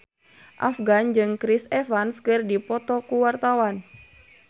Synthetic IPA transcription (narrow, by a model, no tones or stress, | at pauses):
ʔa̰fɡand͡ʒɨŋkɾisɛfanskɨrdipɔt̪ɔkuwart̪awan